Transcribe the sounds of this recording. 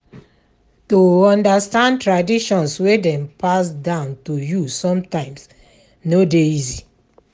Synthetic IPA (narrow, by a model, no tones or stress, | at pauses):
toɔ̃ndastãndtɹadiʃɔ̃nswedɛ̃mpʰasdãʊ̃ntujusɔ̃mtãɪ̃ms | nodeizi